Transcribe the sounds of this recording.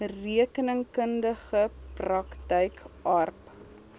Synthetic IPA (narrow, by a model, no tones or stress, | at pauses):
riəkənəŋkəndəχəprɐktəjkɐrp